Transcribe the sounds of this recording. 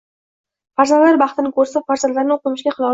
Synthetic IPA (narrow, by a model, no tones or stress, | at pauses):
faɾzanlaɾbɑχt̪ɪnɪkʰɵɾsafaɾzand̪laɾnɪoqɨmɪʃɡʲaχɨlˠɒ